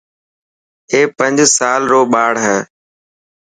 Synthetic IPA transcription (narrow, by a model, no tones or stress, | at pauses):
ɦeːpə̃ɲd͡ʒsaːlɾoːɓaːɽ̤ɦɛ̃ː